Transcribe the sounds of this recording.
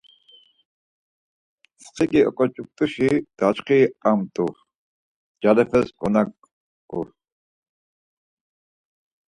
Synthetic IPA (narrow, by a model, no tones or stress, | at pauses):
sqʰikʼiɔ̰kʼɔt͡ʃʼuk̚t̪ʼuʃid̪̥at͡ʃqʰiːamt̪ʼuɾ | d͡ʒalɛpʰɛskʼɔnak | uɾ